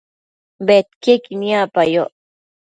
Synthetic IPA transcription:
bet̪kekinijapajoʔ

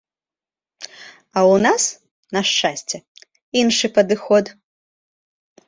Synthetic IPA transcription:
ɐwnas | nɐʂt͡ʂasʲt͡sʲɛ | inʂɨpɐd̪ɨxɔt̪

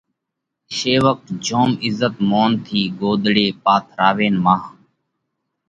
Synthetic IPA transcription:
ʃeːʋək̚d͡ʒoːmɪzːət̪moːnt̪ʰiːɡoːd̪ɽeːpaːt̪ʰɾaːʋeːnmãːɦ

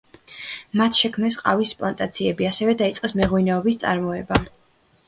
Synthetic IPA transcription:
mat̪ʰʃɛkʰmnɛsqʼa̰vispʼlˠant̪ʼat̪sʰiɛbiasɛvɛd̪ait̪sʼqʼɛsmɛʁwinɛɔbist̪sʼa̰ɾmɔɛba

